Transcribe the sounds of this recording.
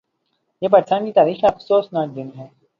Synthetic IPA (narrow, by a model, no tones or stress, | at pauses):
jeːpɐɾsãːnkiːt̪aːɾiːxɐfsoːsnad͡ʒɪnɦɛː